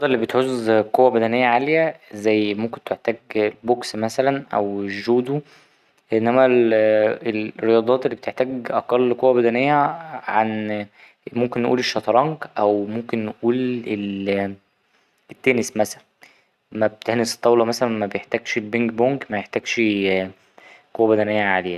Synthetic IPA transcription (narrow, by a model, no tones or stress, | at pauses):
ɑd̪ˤɑelːibet̪ħozːqowːæbæd̪ænejːæʕaljæzæjːmomkent̪eħt̪æːɡlboksmæsælænʔæ̰weʒːuːd̪u | ʔenːæmælelɾːejɑd̪ˤɑːt̪elːibet̪eħt̪æːɡʔɑqɑlːqowːæbæd̪ænejːæʕan | momkenːʔuːleʃːɑt̪ɾˤɑŋkʔæwmomkenːʔuːlel | ʔet̪ːæːnesmæsælæn | mæb̚t̪ehnese̥t̪ˤːɑwlɑmæsælænmæbejeħt̪æːɡʃelbeŋkboŋkmæjeħt̪æːɡʃ | qowːæbæd̪ænejːæʕaleːæ